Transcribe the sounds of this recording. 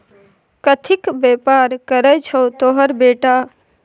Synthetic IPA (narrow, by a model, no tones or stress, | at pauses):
kət̪ʰikbepaɾkəɾəjt͡ʃʰot̪oɦəɾbeːʈa